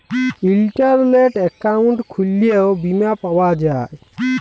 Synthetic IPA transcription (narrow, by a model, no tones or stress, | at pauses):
ilʈaɾleʈɛkauɳʈkʰulijewbimjapawad͡ʒaj